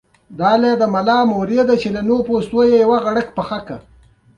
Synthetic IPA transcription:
d̪ɑled̪əmalɑːmoɾed̪at͡ʃelanopost̪ojejawaɣaɽəkpəxaka

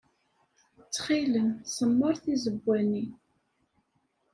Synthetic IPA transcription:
t͡sːχilənsˤəmːəɾˤθizəbʷːæni

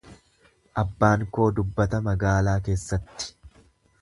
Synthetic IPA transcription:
ʔɐbːaːŋko̞ːd̪ʊbːɐt̪ɐmɐɡaːlaːke̞ːsːɐt̪ːɪ̥

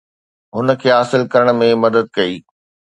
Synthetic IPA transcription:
ɦʊnə̆kʰeːɦaːsɪlkɐɾəɽ̃mẽmɐd̪əd̪̚kɐiː

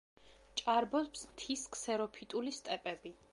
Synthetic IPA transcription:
t͡ʃʼaɾbɔpsmt̪ʰiskʰsɛɾɔpʰit̪ʼulist̪ʼɛpʼɛbi

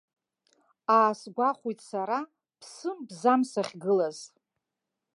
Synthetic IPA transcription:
aːsɡʷaχʷujtʼsaɾa | pʰsɨmbzamsaχʲɡɨlaz

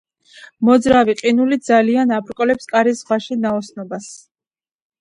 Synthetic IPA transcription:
mɔd̪zɾaviqʼinulid̪zalianapʰɾkʼɔlɛpskʼaɾisʁaʃinaɔsnɔbas

